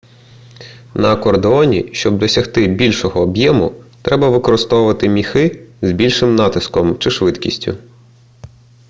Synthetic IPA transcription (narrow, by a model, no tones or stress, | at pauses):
nɐkɔrd̪eɔnʲḭʃt͡ʃɔb̚d̪ɔsʲɐxt̪ɪbʲilʲʃɔɦɔːbjɛmʊt̪ɾɛbɐʋɪkɔɾɪst̪ɔwʊʋɐt̪ɪmʲixɪzbʲilʲʃɪmnɑt̪ɪskɔmt͡ʃɪʃʋɪt̪kʲḭsʲtʲʊ̰